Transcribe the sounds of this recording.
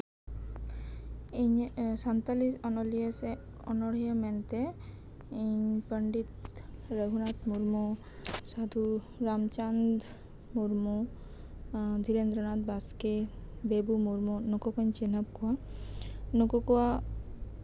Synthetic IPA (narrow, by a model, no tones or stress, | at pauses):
iɲsant̪alisɔnɔlijese | ɔ̰nɔɽ̤iemɛnt̪e | iɲpəɳɖit̪ɾəɡʱunat̪muɾmu | sad̪ʱu | ɾamt͡ʃand̪ | muɾmu | d̪ʱiɾend̪ɾənat̪baskebebumuɾmunɔkɔkəɲt͡ʃenəb̚kua | nokɔkua